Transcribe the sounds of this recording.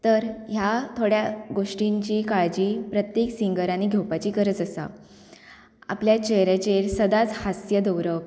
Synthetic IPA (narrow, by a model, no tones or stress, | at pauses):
t̪əɾɦjat̪ʰoɽjaɡoʂʈiɲt͡ɕiːkaɭd͡ʑiːpɾət̪jeksiŋɡəɾaniɡʱewpat͡ɕiːkəɾət͡səsa̰ | a̰pljat͡ɕeɦɾet͡ɕeɾsəd̪at͡shasjəd̪əwɾəʋ